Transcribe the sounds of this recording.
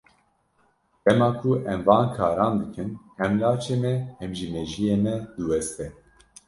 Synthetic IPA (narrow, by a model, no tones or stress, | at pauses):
d̪̥ɛmɑːkʰuʔɛmvɑːnkʰɑːɾɑːnd̪ɨkʰɨnhɛmlɑːt͡ʃʰeːmɛhɛmʒimɛʒijeːmɛd̪ɨwɛst̪ɛ